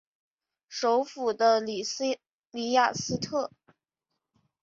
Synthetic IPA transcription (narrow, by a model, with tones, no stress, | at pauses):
ʂo˧˥ʊfu˨˩d̪ə˦l | li˧˥ja˨˩sɹ̩˥t̪ʰɤ˥˩